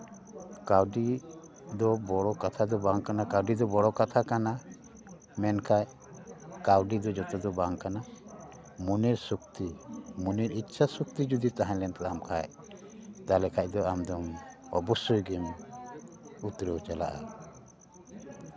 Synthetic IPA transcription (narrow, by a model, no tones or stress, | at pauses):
kawɖi | d̪ɔbɔɽɔkat̪ʰad̪ɔbaŋkanakawɖid̪ɔbɔɽɔkat̪ʰakana | mɛnkʰaj | kawɖid̪ɔd͡ʒɔt̪ɔd̪ɔbaŋkana | munɛɾsukt̪imunɛɾit̪ːʃʰasuk̚t̪id͡ʒud̪it̪aɦãɲlɛnt̪aamkʰa̰j | t̪alɛkʰac̚d̪ɔamd̪ɔmɔbɔsujɡɛm | ut̪ɾəwt͡ʃala̰ʔa